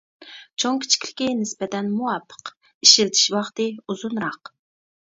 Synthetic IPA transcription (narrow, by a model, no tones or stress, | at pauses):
t͡ʃʰoŋkʲʰi̥t͡ʃʰi̥kʲʰlɪkʲinɪspɛt̪ʰɛnmuwɑpʰːə̥q | iʃiɾt̪ʰi̥ʃwɑχt̪ɨuzunɾɑq